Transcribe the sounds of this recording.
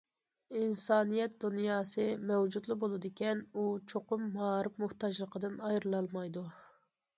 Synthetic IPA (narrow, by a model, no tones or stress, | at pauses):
insɑːnijɛt̪̚d̪unjɑːsɨmɛwd͡ʒud̪lˠɨbolˠɨd̪ɪkʲɛnut͡ʃʰoqʊmːɑːɾɨpmuht̪ɑd͡ʒlˠəqʰəd̪ɨnɑjɾɨlˠɑlˠmɑjd̪u